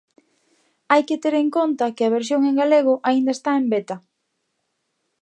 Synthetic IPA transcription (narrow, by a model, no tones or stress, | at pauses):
ajket̪eɾeŋkont̪ɐkɪɐβ̞eɾs̬joŋeŋɡaleɣ̞ʊʔaind̪ɐest̪aembet̪ɐ